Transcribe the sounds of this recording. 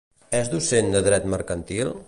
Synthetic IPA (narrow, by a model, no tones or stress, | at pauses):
ɛzðusend̪əðɾɛt̪məɾkənt̪il